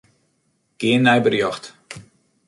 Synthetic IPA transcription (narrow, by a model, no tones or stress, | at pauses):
ɡ̥ɪənːɛjbərjɔxt